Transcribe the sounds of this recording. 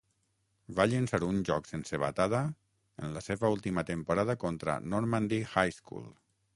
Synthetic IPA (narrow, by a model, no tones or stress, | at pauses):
vaʎənsaɾunʒɔksensəβa̰t̪aða | enlaseβaulˠt̪imat̪əmpuɾaðakɔnt̪ɾa̰noɾmand̪ixajskṵlˠ